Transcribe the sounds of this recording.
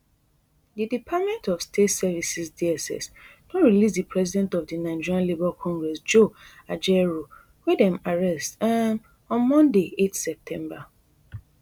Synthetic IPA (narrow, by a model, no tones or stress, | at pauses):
didipʰat̚mɛ̃ntɔfstʰetsɛvisisdiɛsɛ̰snɔtɹilis̬dipʰɹɛzidɛ̃ntɔvdinãɪd͡ʒiɹãnlibɛlkʰɔ̃ŋɡɹɛsd͡ʒoad͡ʒɛɹo | wedɛ̃maɹɛstan | ɔ̃nmɔ̃ndeetsɛp̚tʰɛ̃mba